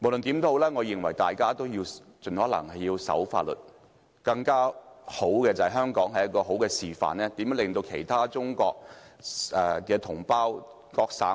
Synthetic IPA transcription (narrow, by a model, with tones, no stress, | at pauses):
mo˨˩wlɵ˨nt̪iː˨˥mt̪o˥ho˧˥wlɛː˥ŋɔː˨˧jɪ˨˩ŋwɐ˨˩jt̪aː˨jkaː˥t̪o˥wjiː˧w | t͡sɵ˨nɔː˨˥lɐ̰˨˩ŋhɐ˨jiː˧wsɐ̰˨˥wfa̰ː˧t̚lɵ̰˨˩t̚ | kɐ˧ŋkaː˥ho˨˥wkɛː˧t͡sɐ˨˩hɐ˨˩ɦœː˥ŋkɔː˨˥ŋɦɐ˨jɐ˥t̚kːɔː˧ɦo˨˥wkɛː˧siː˨fa̰ː˨nlɛː˥t̪i˨˥mɛː˨˥lɪ˨ŋt̪o˧wkʰe˨˩jt̪ʰaː˥t͡sʊ˥ŋkɔː˧k̚ | ɛː˨˩kɛː˧t̪ʰʊ˨˩ŋpaː˥w | kɔː˧k̚sa̰ː˨˥